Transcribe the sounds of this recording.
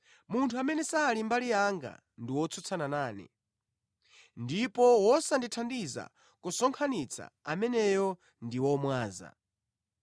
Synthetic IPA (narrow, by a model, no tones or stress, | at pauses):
muntʰuamɛnɛsaːlimbalijaŋɡa̰ | ndiwɔt͡sʰut͡sʰananaːnḭ | ndipɔwɔsanditʰandiza̰ | kusɔŋkʰanit͡sʰa̰amɛnɛjɔ | ndiwɔmwaːza̰